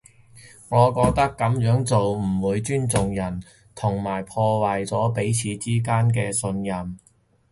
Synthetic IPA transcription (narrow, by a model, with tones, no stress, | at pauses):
ŋɔː˨˧kɔː˧k̚t̪ɐ˥kːɐ˨˥mjœː˨˥ŋt͡so˨wm̩˨˩wuː˨˧jt͡ʃyː˥nt͡sʊ˨ŋjɐ˨˩n | t̪ʰʊ˨˩ŋmaː˨˩jpʰɔː˧waː˨jt͡sɔː˨˥pe˨˥jt͡sʰiː˨˧t͡siː˥k̬aː˥nk̬ɛː˧sɵ˧njɐ˨m